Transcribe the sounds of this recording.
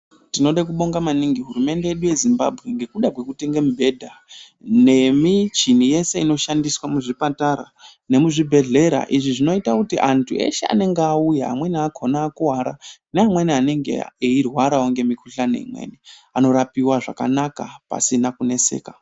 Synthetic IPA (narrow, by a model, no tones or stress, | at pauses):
tino̞ɗak̬uɓo̞ŋɡamaniŋɡiɦuɾume̞nde̞jeɗuje̞zimba̰bʱɣe̞ŋɡe̞kuɗakwe̞kute̞ŋɡemubʱe̞dʱa | ne̞mit͡ʃinije̞se̞ino̞ʃandiswamuʐipataɾa̰ | ne̞muʐibʱe̞ɮe̞ɾa̰ʔiʐiʐino̞itakutiʔantʰue̞̰ʃḛa̰ne̞ŋɡeaujaa̰mwe̞niakʰonaːkuwaɾa̰neamwe̞niane̞ŋɡḛeirwaɾaoŋɡe̞mikʰuɬanḛmwḛniano̞ɾapiwaʐa̰ka̰naka̰pa̰sinakune̞se̞̰ːka